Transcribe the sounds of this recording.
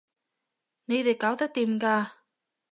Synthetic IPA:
ne˧d̪e˨˩kaː˨˥wt̪aː˨˦˥t̪i˨˩mkaː˧˩

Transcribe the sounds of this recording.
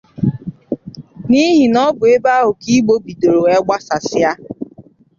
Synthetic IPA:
ni˦ɦi˨nɔ˦bʊ˨e˦ba˦ɦʊ˨ki˦ɡ͡bo˦bi˨do˨ɾo˨ɛ˦ɡ͡ba˦sa˨sɪ˦a˦

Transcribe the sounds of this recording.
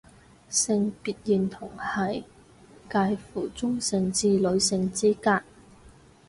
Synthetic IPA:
sɪ˧ŋpiː˧t̚ji˨˧nt̪ʰʊ˨˩ŋhɐ˨j | kaː˧jfuː˨˩t͡sʊ˥ŋsɪ˨˧ŋt͡siː˧lɵ˨˧ɥsɪ˧ŋt͡siː˥kaː˧k̚

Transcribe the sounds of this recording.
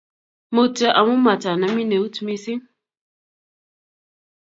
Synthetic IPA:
mə˨tə˨ʔa˨mu˦ma˨ta˨na˨mi˦ne˨u˦tu˦mi˦si˦

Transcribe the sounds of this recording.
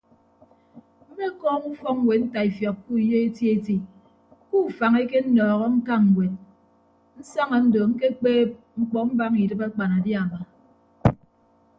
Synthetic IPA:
m̩˦me˦kɔː˦ŋu˦fɔ˦ŋ̚ŋ˦we˨n̩˦ta˨i˨fjɔ˨k̚ku˦i˨je˦e˦ti˦e˦ti˨ | ku˦˨fa˨ŋe˦ke˦n̩˦nɔː˨ɣɔ˦ŋ̩˦ka˦ŋ̩˨we˨n | n̩˦sa˦ŋɔ˨n̩˦do˨ŋ̩˦ke˦k͡peː˦p̚ | ŋ͡m̩˦k͡pɔ˦m̩˦ba˦ŋi˨dɨ˦pa˦k͡pa˨na˨dja˨ma˨

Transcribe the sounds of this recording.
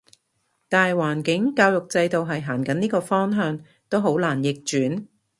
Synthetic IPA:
t̪aː˨nɦɐ˨˩jwaː˨˩nkɪ˨˥ŋkaː˧wjʊ˨k̚t͡sɐ˧jt̪o˨wɦɐ˨jɦaː˨˩nkɐ˨˥niː˥kɔː˧fɔː˥ŋɦœː˧ŋ | t̪o˥wɦo˨˥wlaː˨˩njɪ˨k̚t͡ʃyː˨˥n

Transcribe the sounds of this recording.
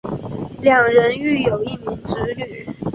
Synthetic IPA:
ljɑ˨˩ŋɻə˧˦ny˥˩jo˨˩ʊi˥˩mi˧˥ŋʈ͡ʂɻ̩˧˥ny˨˩˦

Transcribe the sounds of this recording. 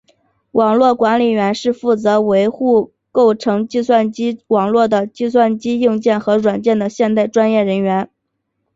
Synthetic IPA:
wʔɑ˨˩ŋlwɔ˥˩kwa˧˥nli˨˩ɥɛ˧˥nʂɻ̩˥˧fu˥˩t͡sɤ˧˥we˧˥ɪxu˥˧ | ko˥˩ʊʈ͡ʂʰɤ˧˥ŋt͡ɕi˥˧swa˥˩nt͡ɕi˥wɑ˨˩ŋlwɔ˥˩d̪ə˩t͡ɕi˥˧swa˥˩nt͡ɕi˥ji˥˧ŋt͡ɕjɛ˥˩nxɤ˧˥ɻwa˨˩nt͡ɕjɛ˥˩nd̪ə˩ɕjɛ˥˧nt̪a˥˩ɪʈ͡ʂwa˥njɛ˥˩ɻə˧˥nɥɛ˧˥n

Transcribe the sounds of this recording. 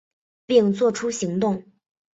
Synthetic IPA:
pi˥˧ŋt͡swɔ˥˩ʈ͡ʂʰu˥ɕi˧˥ŋt̪ʊ˥˩ŋ

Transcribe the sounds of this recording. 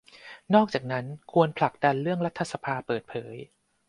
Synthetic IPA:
nɔː˥˩k̚t͡ɕaː˨˩k̚na˦˥nkʰu˧ənpʰla˨˩k̚da˧nɾɯ˥˩əŋɾa˦˥t̪ʰːa˧sa˧pʰaː˧pɤː˨˩t̪̚pʰɤː˩˦j

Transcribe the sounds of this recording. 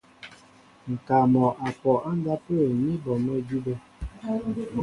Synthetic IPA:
ŋ̩˨ka˨mɔ˨ʔa˨pɔ˨ʔa˦n˦da˦pə˦e˨mi˦bɔ˨mo˦d͡ʒu˦be˦

